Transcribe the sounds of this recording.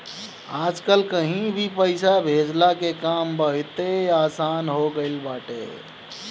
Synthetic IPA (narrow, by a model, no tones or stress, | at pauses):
ad͡ʒkəlkəɦĩbʱipəɪsabʱed͡ʒlakekambəɦit̪eaːsanɦoɡəɪlbaʈḛ